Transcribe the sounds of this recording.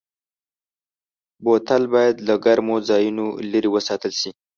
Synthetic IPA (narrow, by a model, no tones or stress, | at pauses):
bot̪albɑjad̪laɡaɾmozɑjunolaɾiwəsɑt̪əlʃi